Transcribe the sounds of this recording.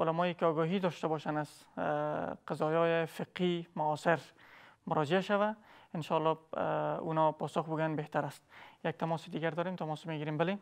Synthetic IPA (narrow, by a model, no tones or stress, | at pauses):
ʊlamɔːjekeɒːɡɒɦiːd̪ɒʃt̪abɒʃanaz | qazɒjɒːefɪqhimʊːseɾmʊɾɔd͡ʒeaʃavaɪnʃɔlːɒ | ṵnɒpɒsʊxbuɡanbeht̪aɾast̪̚jak̚t̪ʰamɔsed̪iɡaɾd̪ɒːɾemt̪ʰamɔsmeɡiɾembale